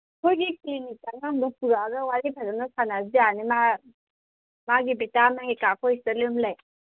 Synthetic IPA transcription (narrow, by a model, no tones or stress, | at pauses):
kʰojɡiklinik̚tanalupuɾaɡɐwaɾipʰazanɔsʰanasdianima | maɡibitamaŋikakʰɔjstalɯmlaj